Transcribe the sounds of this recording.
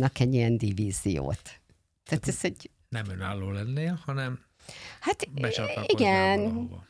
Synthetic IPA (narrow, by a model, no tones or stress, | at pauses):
nɒkɛɟːijɛnd̪iviːzijo̰ːt̪ː | aːt̪ɛzɛɟ | nɛmøna̰ːlːoːlɛnːɛhɒnɛm | hat̪bbɛt͡ʃɒiɡɛn̰